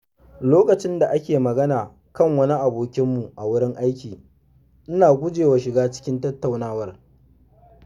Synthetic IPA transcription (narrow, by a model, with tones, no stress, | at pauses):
loː˦kɐ˨t͡ʃɪ˦nda˨ʔa˦kʲeː˨mɐ˨ɡɐ˦naː˨ | kɐ˦˨ŋwɐ˦ni˦ʔa˨boː˨kʲɪ˦mːu˨ʔa˨wʊ˦ɽɪ˦ŋʔa˦jkʲiː˨ | ʔɪ˦naː˨ɡʷʊ˦d͡ʒeː˨waː˨ʃɪ˨ɡaː˦t͡ʃɪ̥˦kʲɪ˦ntɐ˦tːa˨wnaː˦wɐ˦r